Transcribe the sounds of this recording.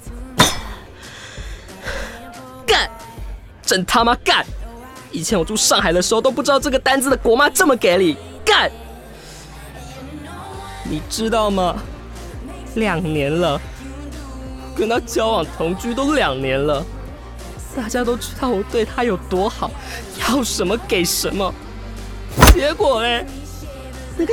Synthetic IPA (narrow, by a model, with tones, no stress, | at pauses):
ka˥˩n | ʈ͡ʂə˨˩nt̪ʰa˥ma˧ka˥˩n | i˨˩t͡ɕʰjɛ˧˥nwɔ˨˩ʈ͡ʂu˥˧ʂɑ˥˩ŋxa˨˩ɪd̪ə˦ʂɻ̩˧˥xo˥˧ʊt̪o˥ʊpu˥˩ʈ͡ʂɻɑ˥˧ʊʈ͡ʂɤ˥˩ɡə˩t̪a˥nt͡sɹ̩˥˩d̪ə˩kwɔ˧˥ma˥ʈ͡ʂə˥˩mə˩ke˧˥ɪli˨˩˦ | ka˥˩n | ni˨˩ʈ͡ʂɻ̩˥t̪ɑ˥˩ʊmɐ˨ | ljɑ˨˩ŋnjɛ˧˥nlə˧ | kə˥nt̪ɑ˥˧ʊt͡ɕjɑ˥ʊwɑ˨˩ŋt̪ʰʊ˧˥ŋt͡ɕy˥t̪o˥ʊljɑ˨˩ŋnjɛ˧˥nlə˧ | t̪a˥˩t͡ɕja˥t̪o˥ʊʈ͡ʂɻ̩˥t̪ɑ˥˩ʊwɔ˨˩t̪we˥˩ɪt̪ʰa˥jo˨˩ʊt̪wɔ˥xɑ˨˩˦ʊ | jɑ˥˩ʊʂə˧˥nmə˧ke˨˩ɪʂə˧˥nmə˧ | t͡ɕjɛ˧˥kwɔ˨˩e˥˩ | n˥˩